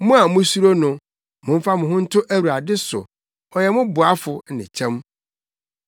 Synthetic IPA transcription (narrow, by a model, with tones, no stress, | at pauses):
mʊ̃˦a˨mʊ̃˦su˦ɾo˦nʊ̃˨ | mʊ̃˨m̩˦fa˦mʊ̃˨ɦʊ̃˦n̩˦tʰʊ˦ʔæ˦wu˨a˨dɪ˦sʊ̰˨ | ɔ˨jɛ˨mʊ̃˦bʊ˨a˦fʊ˨˦nɪ̰̃˨t͡ɕʰɛ̃˦m